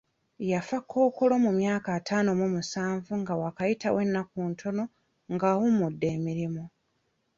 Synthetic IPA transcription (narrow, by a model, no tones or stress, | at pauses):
jafakʰːo̞ːko̞lo̞mumjaːkaːtʰaːnomomusaːɱvuŋɡawakajita̰we̞nːakuːntʰo̞no̞ | ŋɡaːwumudːe̞ːmiɾimu